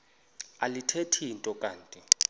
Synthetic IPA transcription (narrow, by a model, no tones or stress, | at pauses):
alitʰetʰintʼɔkʼaːntʼi